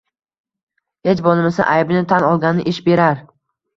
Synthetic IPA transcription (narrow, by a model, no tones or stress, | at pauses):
het͡ʃbɒlˠɪmɪsa̰ʔajbnɪt̪ʰanɒlˠɡʲanɪʔɪʃbe̞ɾaɾ